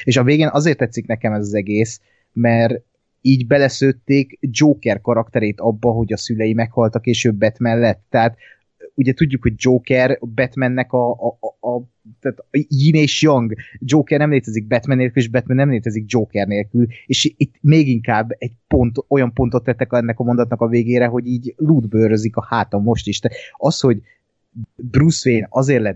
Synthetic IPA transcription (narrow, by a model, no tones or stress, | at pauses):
eːʃɒveːɡeːnʔɒzeːrt̪ːɛt̪sːiknɛkɛmɛzɒzɛɡeːs | mɛr | iːɟbɛlɛsøːt̪ːeːkd͡ʒoːkɛrkɒɾɒkt̪ɛɾeːt̪ɒbːɒɦo̞ɟɒsylɛjimɛkhɒlt̪ɒkeːʃøːbːɛt̪mɛnlːɛt̪ːɛɦaːt̪ | uɟɛt̪uɟːukho̞ɟ̚d͡ʒoːkɛrbɛt̪mɛnːɛkɒ | t̪aːt̪jiːneːʃjɒŋɡd͡ʒoːkɛrnɛmleːt̪ɛziɡ̚bɛt̪mɛnːeːlkyleːʒbɛt̪mɛnːɛmleːt̪ɛziɡ̚d͡ʒoːkɛrneːlkyleːʃit̪ːmeːɡiŋkaːbːɛɟ̚po̞nt̪o̞jɒmpo̞nt̪o̞t̪ːɛt̪ːɛkɛnːɛkɒmond̪ɒt̪nɒkɒveːɡeːɾɛɦo̞ɟiːɟluːd̪børøzikɒhaːt̪ɒmːo̞ʃt̪iʃt̪at̪ɒsho̞ɟ | brusʋeːnɒzeːrlɛ